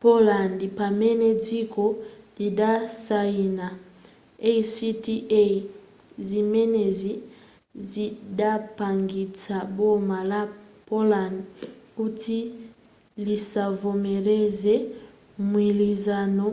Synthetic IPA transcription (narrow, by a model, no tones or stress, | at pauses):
polandipamɛnɛd͡zikɔlidasaina | eisitiʔe | zimɛnɛzi | zidapaŋɡit͡sabɔmalapolandiuti | lisavomeɾɛzɛ | mwilizanɔ